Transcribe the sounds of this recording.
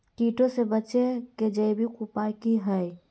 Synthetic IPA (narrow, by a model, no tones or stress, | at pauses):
ʈiʈosebətːʃeked͡ʒəjbʱikupajkiɦəj